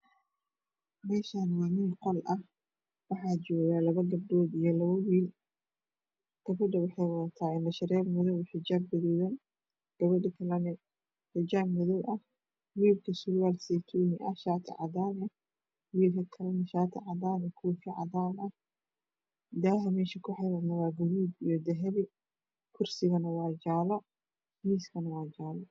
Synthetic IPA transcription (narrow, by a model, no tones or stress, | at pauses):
mɛːʃaːnwaːmiːnqɔlʔɐh | wɑħɑːt͡ʃɔːɣaːlɐβɐɡɐb̚ɖɔːd̪ijɞlɐβɐwiːl | kʰɐfɐɖɐwɑħɛjwɐɐt̪ʰaːɪnɐʃɐɾɛːbmʊðʊwɪħɪd͡ʒaːbːɪðɛːðɐn | ɡ̥ɐβɐɖɪkʰɐlɐnɛ | ħɪd͡ʒaːbmʊðʊwʔɐh | wiːrkʰɐsʊɾwaːlsɛjt̪ʰuːnɪʔɐʃaːt̪ʰɪ̰ʕɑðaːnɛ | wiːlkʰɐkʰɐlɐnɐʃaːt̪ʰɐ̰ʕɑdaːnɛkʰuːfɪʕɑ̰ðaːnɐh | d̪aːɦɐmɛːʃɐkʰʊħɛɾɐnɐwaːɡʊɾuːd̪ijɔd̪ɛɦɛβɪ | kʰʊrsɪɣɐnɐwaːd͡ʒaːlɐ | miːskʰɐnɐwaːd͡ʒaːlɐ